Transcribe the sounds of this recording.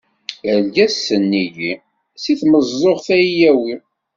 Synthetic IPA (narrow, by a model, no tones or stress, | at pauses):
əlɡæsənːiji | siθməzˤːoʁθæijæwi